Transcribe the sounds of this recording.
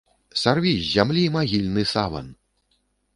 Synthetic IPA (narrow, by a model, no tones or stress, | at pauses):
sarvʲizʲzʲamlʲimaɣʲilʲnɨsavɐ̰n